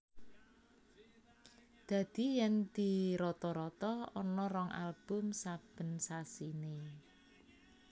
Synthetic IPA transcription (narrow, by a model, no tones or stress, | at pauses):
d̪̥ä̤d̪̥i̤jɛnd̪̥iɾɔt̪ɔɾɔt̪ɔɔnɔrɔŋʔa̰lb̥ʊ̤msab̥ə̤nsasine